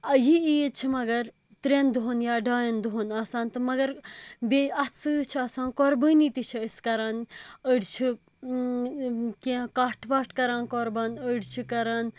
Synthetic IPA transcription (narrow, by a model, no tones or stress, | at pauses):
ɐjiijt͡ʃʰimɐɡɐɾ | t̪ɾend̪uɦonjaːɖaːjɐnd̪uɦonaːsãːnt̪ɨmɐɡɐɾbeɐt͡sɨt͡ʃʰiaːsãːnkoɾbəːnit̪it͡ʃʰiiskɐɾaːnəɖt͡ʃʰi | kẽkaːʈʰʋaːʈʰkɐɾaːnkɔɾbɐnəɖt͡ʃʰikɐɾaːn